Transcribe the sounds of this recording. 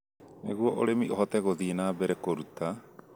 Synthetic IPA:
neɣuɔʔoɾemiʔoɦɔtɛɣoðiːnaːbɛɾɛkoɾuta

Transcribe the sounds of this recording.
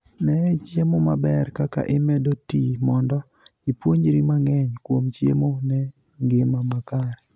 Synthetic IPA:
nɛt͡ʃjemomabɛrkaka̰ʔɪmɛdotimɔndɔ | ipwoɲɾimaŋɛɲkwomt͡ʃjḛmonɛ | ŋɡɪmamakaɾɛ

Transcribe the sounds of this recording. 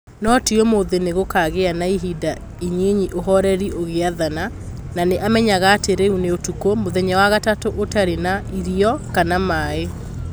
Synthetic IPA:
nɔtiomoðeneɣokaɣeanaiɦida | iɲeɲiʔoɦɔɾɛɾiʔoɣeaðana | naneʔamɛɲaɣaːteɾeuneotukomoðɛɲɛwaɣatatoʔotaɾenaiɾiɔkanamaːe

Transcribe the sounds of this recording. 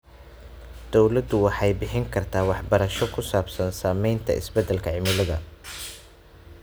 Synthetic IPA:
d̪̥ɔwlɐd̪ʊwɑħɑjbɪħɪŋkʰɐrt̪ʰaːwɑħbɐɾɐʃɔkʰʊsaːbsɐnsaːmɛjnt̪ʰɐ̰ɪ̰sbɛd̪ːɛlkʰɐʕɪmɪlɐðɐ̰

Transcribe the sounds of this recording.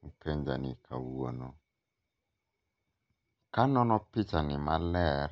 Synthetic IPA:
ŋ̩kɛnd͡ʒa̰nɪ̰kʰa̰wua̰nɔ | kanɔnɔpitanɪmalɛɾ

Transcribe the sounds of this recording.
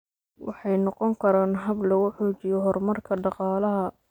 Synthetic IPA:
wɑ̰ħɑjnɔqɔŋkʰɐɾaːnɦɐblɐɣʊħɔːt͡ʃɪjɔɦɔrmɐrkʰɐɖɑqɑːlɐɦɐ

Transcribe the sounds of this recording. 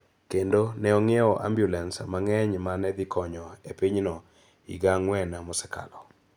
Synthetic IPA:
kendonɛɔŋɪeɔʔa̰mbjulɛnsmaŋɛɲmanɛd̪ɪkɔɲɔepiɲnɔ | ḭɡaŋwɛnamɔsɛ̥ka̰lɔ

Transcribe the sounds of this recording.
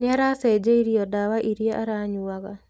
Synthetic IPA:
naɾased͡ʒeiɾiɔdawaʔiɾjeʔaɾaɲuaɣa

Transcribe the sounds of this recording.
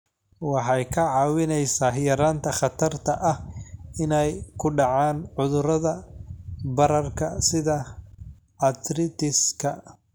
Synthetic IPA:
wɑħɑjkʰɐʕɑːwɪnɛjsaːɦjɐɾaːnt̪ʰɐχɑt̪ʰɐrt̪ʰɐʔɐhɪnɛjkʰʊɖɑʕɑːnʕʊðʊɾɐðɐ | bɐɾɐrkʰɐsɪðɐ | ʕɑt̪ɾɪt̪ɪskʰɐ

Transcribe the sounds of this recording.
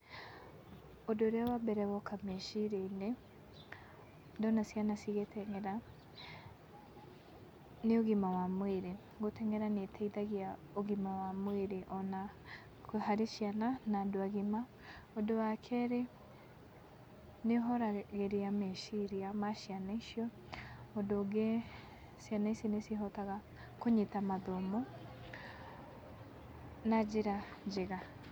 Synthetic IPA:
odoɾeawabɛɾɛβɔkʰameʃiɾeine | dɔnasjanasiɣetʰɛŋɛɾa | neoɣimawamweɾe | ɡotɛŋɛɾanetʰɛiðaɣia | oɣimawamweɾeʔɔna | haɾeʃjananadwaɣima | odowakʰɛɾe | neɦɔɾaɣeɾeameʃiɾiamaʃjanaiʃjɔ | odoɡe | sjanaiseneseɦɔtaɣa | koɲetamaðɔmɔ | nad͡ʒeɾad͡ʒeɣa

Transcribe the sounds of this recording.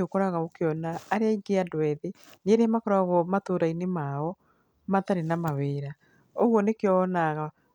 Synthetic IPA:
okoɾaɣaokjɔnaːɾeaiɡeadwɛðe | neɾemakɔɾaɣɔmatoːɾainemaɔ | mataɾenamaweːɾa | oɣwɔnekeɔnaɣa

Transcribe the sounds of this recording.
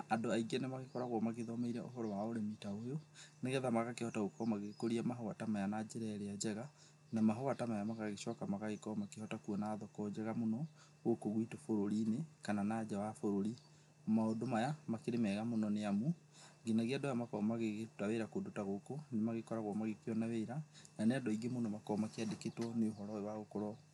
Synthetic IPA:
adoaiɣianemaɣekɔɾaɣwɔmaɣeðɔmaiɾɛʔo̰ɦɔɾɔwaoɾemitaojoneɣɛðamaɣakehɔtaɣokɔmaɣekoɾiamaɦɔɣatamajanad͡ʒeɾɛɾead͡ʒɛɣa | namaɦowatamajamaɣaɣeʃɔkamaɣaɣekɔmakehɔtakuɔnaːðɔkɔd͡ʒɛɣamonɔ | ɣokoɣwitofoɾoɾinekananaːd͡ʒawafoɾoɾi | maodomajamakeɾemɛɣamonɔneamu | ɡinaɣeadɔjamakɔmaɣeɣeotaweiɾakodotaɣokonemaɣekɔɾaɣwɔmaɣekeɔnaweiɾananeadɔiɡemonɔmakɔmakeadeketwɔneoɦɔɾɔewaɣokoɾɔ

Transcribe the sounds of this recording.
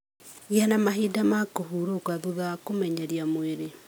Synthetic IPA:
janamaɦidamakohuɾokwaðuðakomɛɲaɾjamweɾe

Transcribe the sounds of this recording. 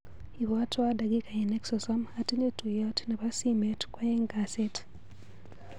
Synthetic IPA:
iβatwadaɡikajeneksosamhatiɲetujatneβasimetu̥kwajeŋɡaset

